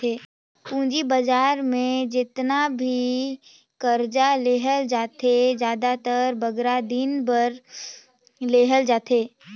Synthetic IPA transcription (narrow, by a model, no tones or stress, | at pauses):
eː | pũːd͡ʒibəd͡ʒaːɾmẽd͡ʒɪt̪nabʱi | kəɾd͡ʒaleːɦəld͡ʒaːt̪ʰed͡ʒjaːd̪at̪əɾbəɡɾad̪ɪnbəɾ | leːɦəld͡ʒaːt̪ʰeː